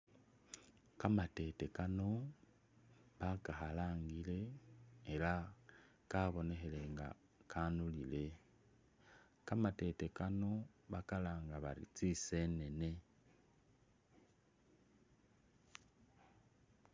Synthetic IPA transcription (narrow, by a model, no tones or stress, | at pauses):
kamate̞te̞kano̞ | βakaxalaːŋɡile̞ː | la | kaβo̞ne̞xe̞le̞ŋɡa̰ | kʰanulile̞ | kamate̞te̞kano̞βakalaːŋɡaβa̰lḭt͡sise̞ne̞ne̞